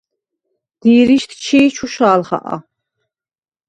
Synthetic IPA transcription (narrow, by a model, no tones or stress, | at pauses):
d̪̥iːɾiʃt̪ʰt͡ʃʰiːt͡ʃʰuʃaːlχa̰ʔa̰